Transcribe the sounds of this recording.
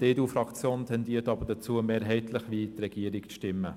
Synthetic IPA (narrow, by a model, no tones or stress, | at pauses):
d̥eːduːfɾɑkt͡sjoːntʰɛndiːətɑbəɾd̥ɛt͡suəmeːɾɦɛɪt̪ʰləχʋiːtrɛɡ̥iəɾɪkʃtɪmːə